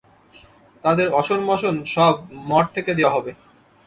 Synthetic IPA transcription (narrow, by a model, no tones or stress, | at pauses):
t̪ad̪eɾɔʃonmɔʃonʃɔbmɔʈ̚t̪ʰeked̪ewaɦɔbe